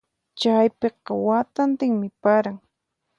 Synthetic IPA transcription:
t͡ʃajpeqɑwat̪ant̪ɪŋmɪpaɾaŋ

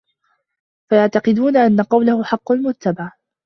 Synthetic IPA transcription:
fajaʕt̪ɑqɪd̪uːnaʔanːaqɑwlahʊħɑqːʊlmʊt̪ːabaʕ

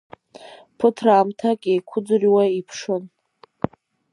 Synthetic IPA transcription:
pʰɨtʰraːmtʰakʼejkʷʰʊd͡zɨriwaipʰʂon

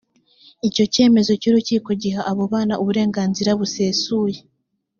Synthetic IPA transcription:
ico̞ce̞ːme̞zo̞cuːɾuciːko̞ɟiɦaʔaβoβaːnaʔuβuɾe̞ːŋɡaːnziɾaβuse̞ːsuːje

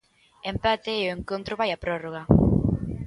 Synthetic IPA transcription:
empat̪eoeŋkont̪ɾoβajapɾoroɣa

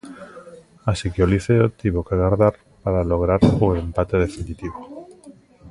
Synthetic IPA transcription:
asikeoliθeot̪iβokeɣaɾðaɾ | paɾaloɣ̞ɾaɾuempat̪eð̞efinit̪iβo

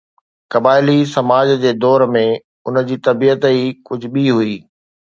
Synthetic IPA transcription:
kɐbaːɪlisɐmaːd͡ʑd͡ʑeːd̪ɔːɾmẽ | ʊnəd͡ʑiːt̪ɐbiːət̪ikʊd͡ʑʱʊɓiɦuiː

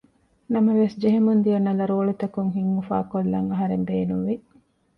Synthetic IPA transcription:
nɐmɐʋesd͡ʒeɦemund̪ijɐnːɐlɐɾoːɭit̪ɐkuŋɦiŋːufa̰ːkolːɐ̰ŋɐɦɐɾenb̪eːnuʋi

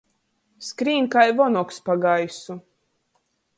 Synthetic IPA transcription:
skɾiːŋkajvɔnɔkspaɡajsu

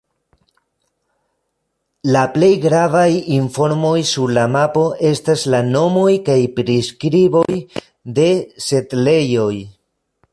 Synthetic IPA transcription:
laple̞jɡɾavajiɱfo̞ɾmo̞jsuɾlamapo̞ʔe̞staslano̞mo̞jkajpɾiskɾibo̞j | de̞se̞tle̞jo̞j

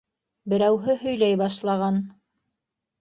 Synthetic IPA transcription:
bɘ̆ɾæwɦɘɦɵ̆jlæjbɑʃlˠɑʁɑn

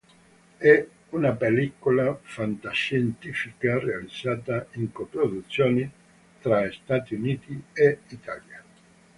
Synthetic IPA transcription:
ɛ | unapelikolafant̪aʃent̪iːfikarealid̪zːaːt̪aiŋkopɾod̪ut̪sːjoːni | t̪ɾaest̪aːt̪iuniːt̪ieit̪ʰa̰lja

